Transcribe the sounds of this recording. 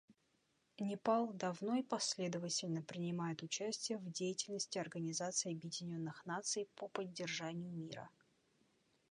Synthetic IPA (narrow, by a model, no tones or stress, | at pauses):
nʲɪpalˠd̪ɐvno̞ipɐsʲlʲe̞d̪əvətʲɪlʲnəpɾʲɪnʲɪmajɪt̪ʊt͡ɕæsʲtʲɪjəvdʲejɪtʲɪlʲnəsʲtʲɪɐrɡənʲɪzat̪sɨɪɐbjɪdʲɪnʲo̞nːɨxnat̪sɨjpəpədʲːɪrʐanʲɪjʊmʲiɾə̰